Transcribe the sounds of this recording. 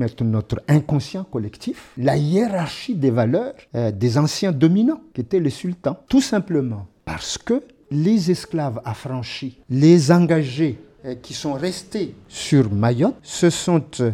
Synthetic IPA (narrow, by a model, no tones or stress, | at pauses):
mɛt̪ɾənɔt̪ʁɛ̃kɔ̃sjɑ̃kɔlɛkt̪iflajeʁaʁʃid̪evalœːʁd̪ezɑ̃sjɛ̃d̪ɔminɑ̃kʲiet̪ɛlesylt̪ɑ̃t̪usɛ̃pləmɑ̃pa̰ʁsə̥kə | lezɛsklavafʁɑ̃ʃilezɑ̃ɡaʒe | kʲʰisɔ̃ʁɛst̪esyʁmajɔt̪səsɔ̃t̪